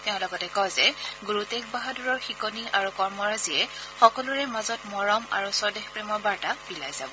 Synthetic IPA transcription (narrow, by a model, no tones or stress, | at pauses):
teʊ̃lɔɡɔtɛkɔjzɛɡuɹutek̚baɦaduɹɔɹxikɔniʔaɹukɔɹmɔɹaziɛxɔkɔluɹɛmazɔtmɔɹɔma̰ɹusɔdexpɹemɔɹbaɹtab̥ilajzabɔ